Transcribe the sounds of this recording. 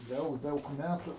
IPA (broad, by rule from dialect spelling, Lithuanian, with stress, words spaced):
ˈdɐʊk ˈdɐʊk ˈmʲætʊ